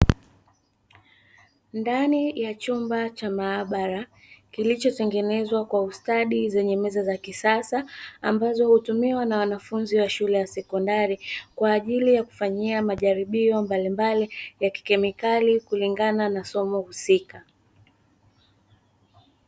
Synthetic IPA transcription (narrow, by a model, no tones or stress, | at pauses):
ndanijat͡ʃumbat͡ʃamaːɓaɾa | kilit͡ʃɔtɛŋɡɛnɛzwakwaustaɗizɛɲɛmɛzazakisasaambazɔhutumiwanawanafunziwaʃulɛjasɛkɔndaɾikwaːʄilijaku̥faɲiamaʄaɾiɓiɔmbalimbalijaki̥kɛmikalikuliŋɡananasɔmɔhusika